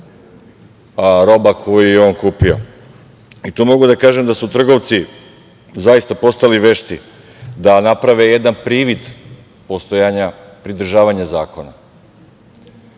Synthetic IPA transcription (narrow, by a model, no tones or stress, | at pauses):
aɾo̞bakʰo̞jjujeo̞ːnkuːpio̞̰ | it̪umo̞ɡud̪akaːʒe̞md̪asut̪r̩ɡo̞ʋt̪si | zajist̪apo̞st̪aliʋe̞ʃt̪i | d̪anapɾaʋe̞je̞d̪anpɾiːʋid̪ | po̞st̪ojaɲa | pɾid̪r̩ʒaːʋaɲazaːko̞na